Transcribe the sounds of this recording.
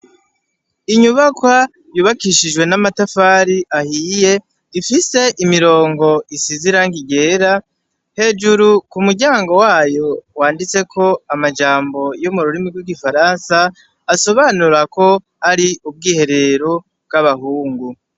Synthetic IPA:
iɲuβakwa | juβakiʃiʒwe̞namatafaːɾiʔahiːje̞ | ifise̞ʔimiɾo̞ːŋɡo̞isiziɾaŋɡiɡe̞ːɾa | he̞ːd͡ʒuɾukumuɟaːŋɡo̞waːjo̞waːndit͡se̞kʰo̞amad͡ʒaːmbo̞jumuɾuɾimiɡwiɡifaɾansaː | so̞βanuɾako̞ | haɾiub̚ɡiːhe̞ɾe̞ɾo | b̚ɡaβahuːŋɡu

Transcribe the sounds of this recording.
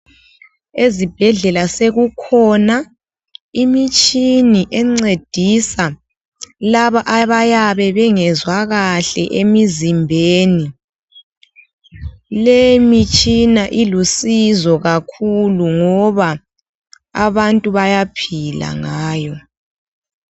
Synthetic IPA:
ezib̥ʱɛɮɛlaseɣukʰɔna | imit͡ʃʼiniʔɛŋ͡ǀed̥ʱisa | laβaʔaβajaβɛβɛŋɛzwaɣaɬɛ̰ʔemizimbʱeːni | lemit͡ʃʼinaʔilusizɔɣakʰuluŋɔβa | a̰βantʼuβajapʰila̰ŋaːjɔ

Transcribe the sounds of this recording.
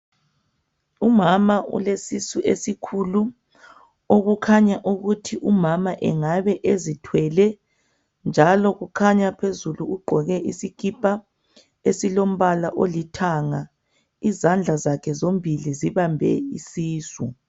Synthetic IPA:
umamaṵlesisuʔesikʰulu | oɣukʰaɲaʔuɣutʰiʔumamaʔɛŋaβɛʔezitʰwɛlɛ | nd͡ʒʱalɔɣukʰaɲapʰezuluːɡ͡ǃʱɔɣɛʔisikipʰʼa | esilom̩βalaʔolitʰaːŋa | izand͡ɮʱazakʰɛzombʱiliziβambʱɛ̰ḭsiːsṵ

